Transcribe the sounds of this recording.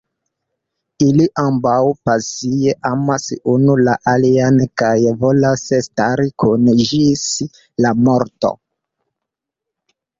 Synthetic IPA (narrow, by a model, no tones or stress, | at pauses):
iliʔambawpasijeʔamasunulaʔaliankajvolasestaɾikunʒis | lamo̞ɾto̰